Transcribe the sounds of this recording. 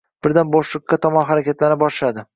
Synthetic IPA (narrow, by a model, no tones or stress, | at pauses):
b̥ɪɾd̪anboʃlɨqːat̪ʰɒmɒnɦaɾakʲat̪lanɪbɒʃlad̪ɪ